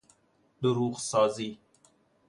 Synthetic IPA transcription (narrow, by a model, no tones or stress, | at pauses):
d̪əɾuɣsɑːzi